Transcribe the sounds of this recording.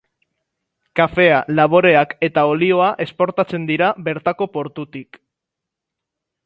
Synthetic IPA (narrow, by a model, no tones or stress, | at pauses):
kafe̞alaβ̞o̞ɾe̞ake̞t̪ao̞lio̞aʔe̞spo̞ɾt̪at͡se̞nd̪iɾaβe̞ɾt̪ako̞po̞ɾt̪ut̪ik